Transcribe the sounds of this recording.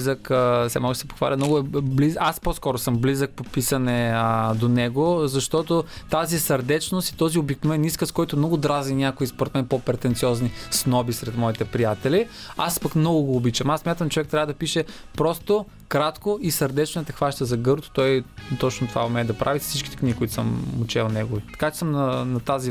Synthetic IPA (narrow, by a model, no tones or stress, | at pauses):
zəksɛ̰mnɔʒɛsɛpo̥xva̰lʲɐmnɔɡʊɛblizaspɔskɔɾosɤmblizək̚popisɐnɛəd̪onɛɡozɐʃt̪ɔt̪ot̪azisɐɾd̪ɛt͡ʃnost̪i̥t̪ɔziobiknovɛniskəskɔjt̪oɛmnɔɡʊd̪ɾazninʲjakoispoɾɛt̪mɛnpɔpɾɛt̪ɛnt̪siɔznisnɔbisɾɛt̪mɔit̪ɛpɾijat̪ɛliaspɐkmnɔɡʊɡoːbit͡ʃɐmasːmjat̪əmt͡ʃovɛk̚t̪ɾʲavəd̪ɐpiʃɛpɾɔst̪o | kɾat̪koisɐɾd̪ɛt͡ʃnɛt̪ɐxvaʃt̪əzɐɡɤɾt̪ʊ̥t̪ɔjt̪ɔt͡ʃnʊt̪ova̰omɛɛd̪ɐpɾʔavifsit͡ʃkʲit̪ɛ̥kniɡʲikoʊit̪o̥səmʊt͡ʃɛlˠnɛɡʊvit̪ɐ̥kat͡ʃɛ̥səmnɐnɐt̪azi